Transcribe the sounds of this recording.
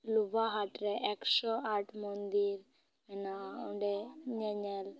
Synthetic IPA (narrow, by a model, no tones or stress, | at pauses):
lubaɦaʈɾɛʔɛksɔaʈʰmɔnd̪iɾ | ɛnaɔɳɖɛɲɛɲɛl